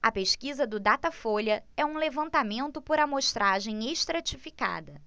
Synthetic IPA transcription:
ɐpeʃkizɐd̪ʊd̪at̪ɐfoʎɐɛũlevɐ̃nt̪amẽnt̪ʊpoɾɐmoʃt̪ɾaʒẽj̃eʃt̪ɾat͡ʃifika̰d̪ɐ

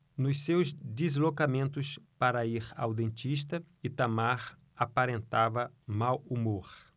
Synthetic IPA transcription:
nʊssewzd̪izlokamẽnt̪ʊspaɾɐiɾawd̪ẽnt͡ʃ̪iʃ̬t̪ɐ | ɪt̪amaɾ | apaɾẽnt̪avɐ | mawumoɾ

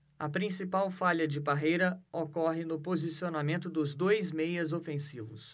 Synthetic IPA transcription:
ɐpɾĩsipawfaʎɐd͡ʒɪbaɦejɾɐokɔɦɪnʊpozisionamẽnt̪ʊd̪ʊzd̪ojzmejɐzofẽsivʊs

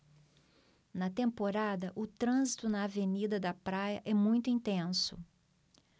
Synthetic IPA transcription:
nɐt̪ẽmpoɾad̪ɐʔʊt̪ɾɐ̃zit̪ʊnɐːvenid̪ɐd̪ɐpɾajɐʔɛmũj̃t̪ʊĩnt̪ẽsʊ

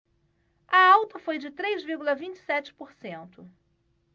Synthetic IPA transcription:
ɐawt̪ɐfojd͡ʒɪt̪ɾejzviɾɡulɐvĩnt͡ʃɪ̥sɛt͡ʃɪ̥poɾsẽnt̪ʊ

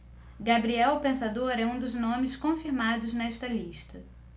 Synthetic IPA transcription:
ɡabɾiɛwpẽsad̪oɾɛũd̪ʊznõmɪskõfiɾmad̪ʊznɛʃt̪ɐliʃt̪ɐ

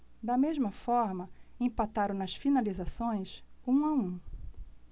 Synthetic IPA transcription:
d̪ɐmeʒmɐfɔɾmɐẽpat̪aɾʊ̃nɐsfinalizasõj̃sũaũ

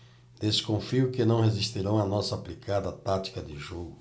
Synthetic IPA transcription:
d̪̥eskõfiʊkɪnɐ̃w̃hezist̪iɾɐ̃w̃ɐnɔsɐːplikʰad̪ɐt̪at̪i̥kɐd̪ɪʒoɡʊ

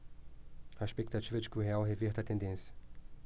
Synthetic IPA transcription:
ɐeʃpekt̪at͡ʃivɐd͡ʒɪkɪʊɦeawɦeveɾt̪ɐt̪ẽnd̪ẽsjɐ

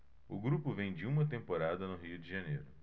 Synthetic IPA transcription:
ʊɡɾupʊvẽj̃d͡ʒɪũmɐt̪ẽmpoɾad̪ɐnʊɦiʊd͡ʒɪʒɐnḛjɾʊ

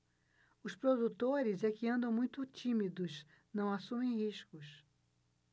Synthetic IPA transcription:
ʊspɾod̪ut̪oɾɪzɛkɪɐ̃nd̪ɐ̃w̃mũj̃t̪ʊt͡ʃimid̪ʊs | nɐ̃w̃asũmẽj̃ɦiʃkʊs

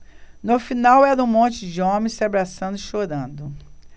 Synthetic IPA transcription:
nʊfinawɛɾɐũmõnt͡ʃɪd͡ʒɪõmẽj̃sɪabɾasɐ̃nd̪ʊɪʃoɾɐ̃nd̪ʊ

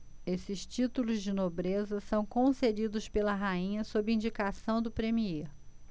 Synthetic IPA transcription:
esɪʃt͡ʃit̪ulʊzd͡ʒɪnobɾezɐsɐ̃w̃kõsed͡ʒid̪ʊspelɐɦaĩɲɐsobɾɪĩd͡ʒikasɐ̃w̃d̪ʊpɾemieɾ

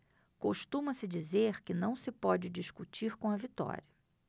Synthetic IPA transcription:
koʃt̪ũmɐsɪd͡ʒizeɾkɪnɐ̃w̃sɪpɔd͡ʒɪd͡ʒiʃkut͡ʃiɾkõɐvit̪ɔ̰ɾiɐ

